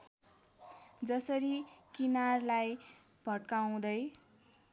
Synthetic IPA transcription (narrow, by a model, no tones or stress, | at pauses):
d͡zʌsʌɾikinarlaj | b̥ʱʌʈkaw̃d̪ʌj